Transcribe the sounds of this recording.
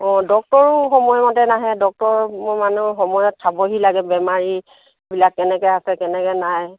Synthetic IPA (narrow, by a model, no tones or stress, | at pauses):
ɔ̃dɔk̚tɔɹʊxɔmɔjmɔtɛnaɦɛdɔk̚tɔɹmmanuxɔmɔjɔtʰːabɔɦilaɡɛbɛmaɹi | bilakːɛnɛkɛasɛkɛnɛkɛnaj